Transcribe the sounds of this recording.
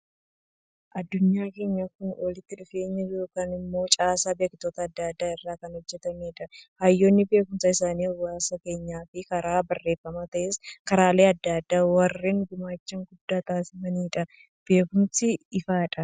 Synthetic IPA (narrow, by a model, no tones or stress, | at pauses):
ʔɐd̪ːʊɲːaːke̞ːɲːɐkʊnwɔlɪt̪ːɪᶑʊfe̞ːɲːɐjo̞ːkaːnɪmːo̞ːt͡ʃʼaːsaːbe̞ːkt̪oːt̪ɐːd̪ːɐd̪ːaːɪrːaːkɐnhɔd͡ʒːɛt̪ɐmeːᶑɐhɐjːoːnːɪbe̞ːkʊmsɐɪsaːniːɔwaːsɐke̞ːɲːaːfɪkɐɾaːbɐrːe̞ːfːɐmat̪ɐʔeːskɐɾaːle̞ːɐd̪ːɐd̪ːaːwɐrːeːŋɡʊmaːt͡ʃːɐŋɡʊd̪ːaːt̪aːsɪmɐniːᶑɐ | b̥e̞ːkʊmsɪɪfaːᶑɐ